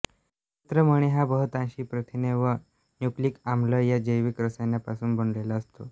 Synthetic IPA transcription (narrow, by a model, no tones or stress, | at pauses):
it̪ɾəməɽ̃eɦabəɦət̪ãnɕiːpɾət̪ʰineʋə | njukliːkamləjad͡ʑəjʋikɾəsanjapasuːnbʱəɳlelaəst̪o̰